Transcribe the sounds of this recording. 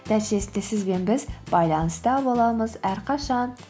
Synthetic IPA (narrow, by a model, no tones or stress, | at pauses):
næt̪ʃesɪnd̪esɪzbe̞nbɪzbɑjlˠɑnɨst̪ɑbolˠɑməzhæɾqʰɑʃɑn